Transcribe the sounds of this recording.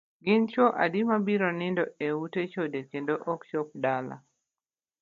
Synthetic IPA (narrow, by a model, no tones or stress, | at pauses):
ɡɪnt͡ʃoʔa̰dimabiɾɔnɪndɔeutet͡ʃodekendoʔɔkʃɔp̚dala̰